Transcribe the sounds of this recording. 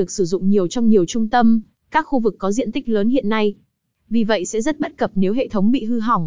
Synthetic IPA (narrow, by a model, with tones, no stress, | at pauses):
ɨ˨˩ək̚sɨ˧˩zʊ̰˧˨ŋ͡mɲi˨˩əwt͡ɕɔ˧wŋ͡mɲi˨˩əwt͡ɕʊ˧ŋ͡mt̪ə˧m | kaː˦˥k̚xu˧vɨ˨˩kːɔ˨˦zḭ˧˨nt̪i˦˥k̟̚ləː˨˦nɦhḭ˧˨ənːa˧j | vi˨˩və̰˧˨jsɛ̰˧˥zə˦˥t̚ɓə˦˥t̚kə˨˩p̚ne˨˦wɦḛ˧˨t̪ʰə˨˦wŋ͡mɓḭ˧˨ɦɨ˧ɦa˨˩wŋ͡m